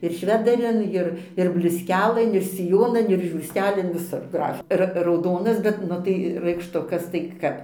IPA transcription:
ɪr ˈʃʲʋʲæːdɐrʲɪn ˈɪr ɪr bʲlʲʊsʲˈkʲæːlˠɘn ɪr sʲɪˈjoːnɐn ɪr ʒʲuːrʲˈsʲtʲæːlʲɪn ʋʲɪˈsʊr ˈɡrɐf ˈrɐ rɐʊˈdoːnɐs bʲɛt ˈnʊ tɐɪ rɐɪkʃˈtʊkɐs tɐɪ ˈkɐp

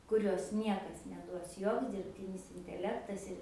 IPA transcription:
kʊˈrʲoːs ˈnʲiɛkɐs nʲɛˈduɔs ˈjoːks dʲɪrʲpʲˈtʲɪnʲɪs ɪnʲtʲɛˈlʲæːktɐs ɪr

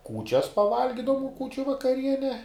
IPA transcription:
ˈkuːt͡ʃʲɛs pɐˈʋɐlʲɡʲɪdɐʋʊm ˈkuːt͡ʃʲʊ ʋɐkɐˈrʲiɛnʲɛ

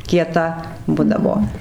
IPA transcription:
kʲiɛˈtɐ ˈbʊdɐʋoː

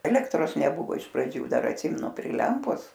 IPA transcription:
ˈæːlʲɛktroːs nʲɛˈbʊʋoː ɪʃ prɐˈd͡ʒʲuː ˈdɐr ɐtʲˈsʲɪmʲɛnʊ pʲrʲɪ ˈlʲɛmpoːs

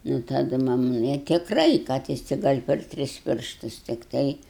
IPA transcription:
nʊ tɐˈdʊ ˈmɐm ɪ tʲɪkˈrɐɪ kɐt ˈjɪs tʲɪ ˈɡɐlʲ pʲɛr ˈtʲrʲɪs ˈpʲɪrʃtʊs tʲɪkˈtɐɪ

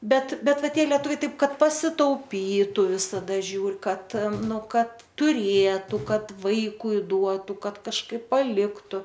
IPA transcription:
ˈbʲɛt ˈbʲɛt ˈʋɐ ˈtʲiɛ lʲiɛˈtʊʋʲɛɪ ˈtɐɪp ˈkɐt pɐsʲɪtɐʊˈpʲiːtʊ ʋʲɪsɐˈdɐ ˈʒʲuːr ˈkɐt ˈnʊ ˈkɐt tʊˈrʲeːtʊ ˈkɐt ˈʋɐɪkʊɪ ˈduɔtuː ˈkɐt kɐʃˈkɐɪp pɐˈlʲɪktʊ

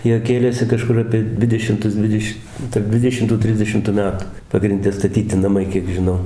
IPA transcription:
ˈjiɛ ˈkʲeːlʲeːsʲɪ kɐˈʃkʊr ˌɑːpʲiɛ ˈdʲʋʲɪdʲɛʃʲɪmtʊs ˈdʲʋʲɪdʲɛʃʲ tɐrp ˈdʲʋʲɪdʲɛʃʲɪmtuː ˈtʲrʲɪzʲdʲɛʃʲɪmtʊ ˈmʲæːtʊ pɐɡrʲɪnʲˈdʲɛ stɐˈtʲiːtʲɪ nɐˈmɐɪ ˈkʲiɛk ʒʲɪˈnɐʊ

